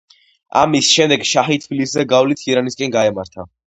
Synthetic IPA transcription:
a̰misʃɛmd̪ɛɡʃaχit̪ʰbiliszɛɡavlit̪ʰiɾaniskʼɛnɡaɛmaɾt̪ʰa

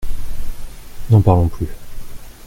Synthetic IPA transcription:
nɑ̃paʁlɔ̃ply

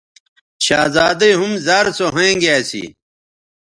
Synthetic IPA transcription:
ɕaːzaːd̪ɐiɦumzaːɾsoɦɐ̃ẽɡaːsḭ

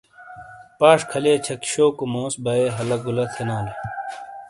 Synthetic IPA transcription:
paːʂkʰɐleːt͡ɕʰɐkɕoːkomõːsbɐeːɦɐlɐɡulɐt̪ʰenaːle

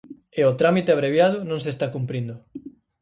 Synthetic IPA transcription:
eot̪ɾamit̪eaβ̞ɾeβjað̞ʊnõŋs̬est̪akumpɾind̪ʊ

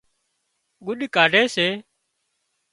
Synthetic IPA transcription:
ɡʊɗkaːɖʱeːseː

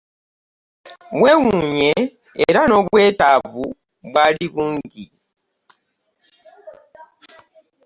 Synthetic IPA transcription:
βwe̞ːwuuɲe̞̰ː | ɾano̞βwe̞ːtavu | βwaliβuːŋɟi

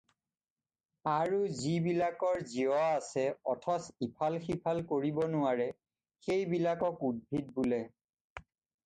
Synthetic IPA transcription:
aɹuzibilakɔɹziɔaasɛɔtʰɔsipʰalxipʰalkoɹibɔnʊaɹɛ | xejbilakɔkud̚bʱid̚bulɛ

